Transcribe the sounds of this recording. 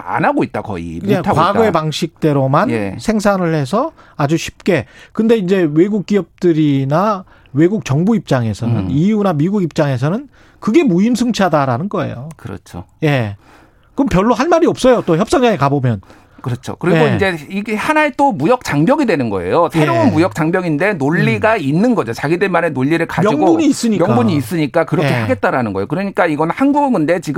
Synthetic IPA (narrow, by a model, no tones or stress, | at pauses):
a̰naɡoit̚t͈akʌ̰ḭetʰakwaɡoe̞paŋɕʰik̚t͈e̞ɾomanḛsʰe̞ŋsʰaŋɯɭhe̞s̬ʰʌ | ad͡ʑuɕʰi̥p̚k͈e̞kɯnde̞ind͡ʑe̞we̞ɡuk̚k͈iʌp̚t͈ɯɾina | we̞ɡuk̚t͡ɕʌŋbuip̚t͡ɕ͈aŋe̞sʰʌnɯniunamiɡuɡip̚t͡ɕ͈aŋe̞s̬ʰʌnɯn | kɯɡe̞muimsʰɯŋt͡ɕʰadaɾanɯnɡʌe̞̰jo̰kɯɾʌ̰t͡ɕʰo̰je̞ | kɯmpjʌɭːoɦaɭmaɾiʌp̚s͈ʌjot͈oçjʌp̚s͈ʌŋd͡ʑaŋekabomjʌn | kɯɾʌt͡ɕʰo̰kɯɾiɡoind͡ʑe̞iɡehanaet͈omujʌk̚t͡ɕ͈aŋbjʌɡidwe̞nɯnɡʌ̰e̞̰josʰeɾoɯnmujʌk̚t͡ɕ͈aŋbʲjʌɡinde̞noʎːiɡainːɯnɡʌd͡ʑot͡ɕaɡidɯɭmaɾe̞noʎːiɾɯɭkamjʌiŋɡobuɲiːs͈ɯɲimjʌkŋabuɲiːs͈ɯɲik͈akɯɾʌkʰeaɡet̚t͈aɾanɯnɡʌeokɯɾʌɲik͈aiɡʌnhanɡuɡɯɡɯnde̞t͡ɕiɡɯ